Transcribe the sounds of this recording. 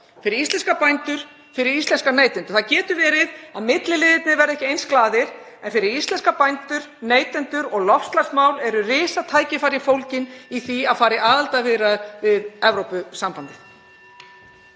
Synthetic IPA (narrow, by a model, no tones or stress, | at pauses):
fɪɾɪɾist̪lɛnskapajnt̪ʏɾ̥ | fɪɾɪɾist̪lɛnskaneːjt̪ɛnt̪ʏ̥ɾ̥θaðcɛːt̪ʏvɛːɾɪðaðmɪt̪lɪlɪðɪt̪nɪvɛɾɛhcɪejnsklaːðɪɾ̥ | ɛnfɪɾɪɾist̪lɛnskapajnt̪ʏɾ̥ | neːjt̪ɛnt̪ʏɾɔɣlɔfst̪lasmawlɛɾʏrɪːsat̪ʰaːjcɪfaːɾjɪfowlcɪniθiaðfaːɾɪʔaːðalt̪avɪːɾaðvɪðɛvɾowpʏsampant̪ɪθ